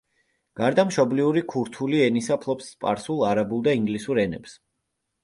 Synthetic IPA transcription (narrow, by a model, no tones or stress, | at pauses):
ɡ̥aɾd̪amʃɔbliuɾikʰuɾt̪ʰuliɛnisapʰlˠɔpspʼa̰ɾsulˠaɾabulˠd̪aiŋɡlisuɾɛnɛps